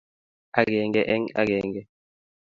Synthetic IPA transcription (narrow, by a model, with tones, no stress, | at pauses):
a˦ɡɛ˨ŋɡɛ˦˨ʔɛ˦ŋa̰˦ɡɛ˨ŋɡɛ˦